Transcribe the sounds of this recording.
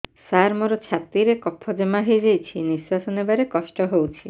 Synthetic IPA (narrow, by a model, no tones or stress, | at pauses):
saɾmɔɾot͡ʃʰat̪ɾiɾekɔpʰːɔd͡ʒemaɦid͡ʒejt͡ʃʰiniswasɔnebaɾekɔʃʈɔɦowt͡ʃʰi